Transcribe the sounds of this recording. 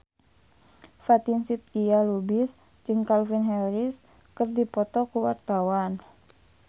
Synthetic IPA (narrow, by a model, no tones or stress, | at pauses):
fat̪insit̪̚kialubis | d͡ʒɨŋkalfinɦɛɾis | kərdipɔt̪ɔkuwart̪awan